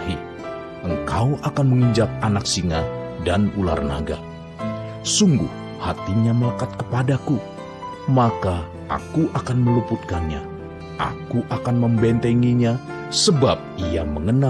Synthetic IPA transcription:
hi | ʔəŋkawakanməŋəɲd͡ʒak̚anak̚siŋadanula̰rna̰ɡa̰ | suŋɡṵh | hat̪iɲaməlakat̪̚kəpadaku | maka | ʔa̰kuʔakanməluput̪̚kanɲa | ʔa̰kuʔakanməmbɛnt̪ɛŋiɲa | səbap̚iaməŋəna

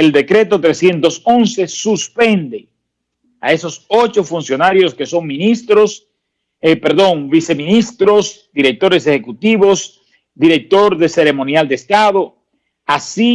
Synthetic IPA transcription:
eld̪e̞kɾe̞t̪o̞t̪ɾe̞sje̞nt̪o̞so̞nse̞suspe̞nd̪e̞ | a̰e̞so̞so̞t͡ʃo̞funsjo̞naɾjo̞ske̞so̞ŋmĩnist̪ɾos | epeɾðo̞ŋbise̞mĩnist̪ɾo̞s | d̪iɾe̞k̚t̪o̞ɾe̞sexe̞kut̪iβos | d̪iɾe̞k̚t̪o̞ɾðe̞se̞ɾe̞mõnjald̪eːst̪aðo̞ | asi

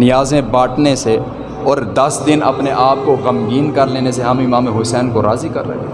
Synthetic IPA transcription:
nɪjaːzẽbaːʈʰnese | ɔːɾd̪ɐsd̪ɪnɐ̰pneʔaːp̚kokɐmɡiːnkɐɾleːneseɦɐmɪmaːmẽɦʊsɛːnkoɾaːzikɐ̰ɾːɐ̰ɦe

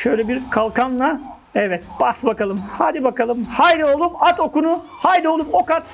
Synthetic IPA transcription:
ʃøjlʲɛbiɾkʰalˠkʰanlˠa | ɛvɛt̪̚b̥asbakalˠɯmhaːd̪ibakalˠɯmhajd̪io̞lˠupat̪ʰo̞kunu | hajd̪io̞lˠupo̞kat̪

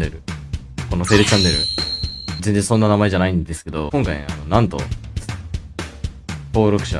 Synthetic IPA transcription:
eɾɯ | ko̞not̪e̞ɾɯ̟t͡ɕãnːe̞ɾɯ̟̰ | zẽ̞nd͡zẽso̞nːanamae̞ʑanaĩnd̪e̞sɨ̥ke̞d̪o̞kõ̞ŋkaiano̞nãnt̪o̞̰ | ho̞ːɾo̞kɯ̟ɕa̰

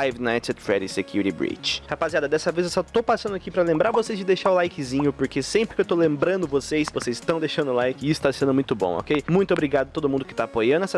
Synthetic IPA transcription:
ajvnajt̪ed̪fɾɛɾisekjuɾɾibɾḭt͡ʃɪhapaziad̪ɐd̪ɛsɐvezewsɔt̪owpasɐ̃nd̪akipɾɐlẽmbɾaɾvosejzd͡ʒɪd̪eʃaɾʊlajkɪzĩɲʊpoɾkesẽmpɾɪkewt̪owlẽmbɾɐ̃nd̪ʊvosesvosejzɪt̪ɐ̃w̃d̪ejʃɐ̃nd̪ʊlajkɪisʊ̥t̪asẽnd̪ʊmũj̃t̪ʊbõ̰ɔ̰kejmũj̃t̪ʊobɾiɡad̪ʊɐt̪od̪ʊmũd̪ʊkɪt̪aːpojɐ̃nd̪ʊɛsɐ

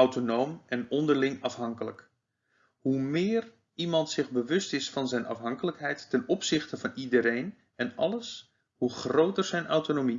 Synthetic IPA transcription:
awtonowmɛnɔndərlɪŋɑfɦɑŋkələk | humɪːr | imɑntsɪɣbəʋɵstɪsfɑnzɛjnɑ̰fɦɑŋkələkɦɛjtːɛnɔpsɪxtəvɑnidəɾejn | ɛnɑ̰ləs | huχrowtərz̥ɛjnawtonomi

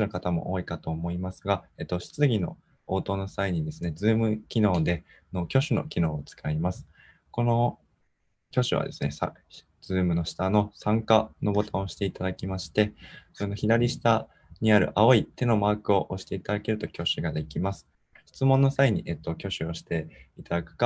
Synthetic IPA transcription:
nokat̪amo̞̰ʔoːikat̪o̞ːmo̞imasɨɡaet̪ːo̞ɕi̥t͡sɨɡʲino̞̰ | oːt̪o̞ːno̞saiɲ̟id̪e̞sɨne̞d͡zɨːmɯ̟kʲino̞ːd̪e̞ | no̞kʲo̞ɕɨno̞̰kʲino̞ːot͡sɨ̥kʰaimasɨ̥ | ko̞no̞ | kʲo̞ɕɨβa̰d̪e̞sɨne̞̰sa̰ | d͡zz̥ɨːmɯ̟no̞ɕi̥t̪ano̞sãŋkano̞bo̞t̪ãoɕi̥t̪e̞it̪ad̪akʲimaɕi̥t̪e̞soɾenoçid̪aɾʲiɕi̥t̪a | ɲ̟iaɾɯ̟̰ʔao̞it̪e̞no̞maːkɯ̟o̞ʔoɕi̥t̪e̞it̪ad̪ake̞ɾɯ̟t̪o̞kʲo̞ɕɨɡad̪e̞kʲimasɨ̥ | ɕi̥t͡sɨmõ̞nːo̞saiɲ̟iʔet̪ːo̞kʲo̞ɕɨo̞ɕi̥t̪e̞it̪ad̪akɯ̟̥ka

